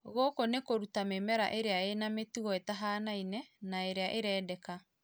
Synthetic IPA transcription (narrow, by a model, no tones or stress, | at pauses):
ɣokonekoɾutamemɛɾa̰ʔeɾeaenametuɣɔetaɦaːnainɛnaeɾeaʔeɾɛːdɛka